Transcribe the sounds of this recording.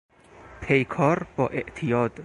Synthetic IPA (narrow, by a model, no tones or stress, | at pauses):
pʰejkʰɒːɾb̥ɒːʔeʔt̪ʰijɒːd̪̥